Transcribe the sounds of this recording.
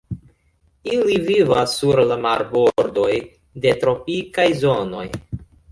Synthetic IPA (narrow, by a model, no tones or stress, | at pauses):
ilivivasːuɾlamaɾboɾdo̞j | de̞tɾo̞pikajzo̞no̞̰j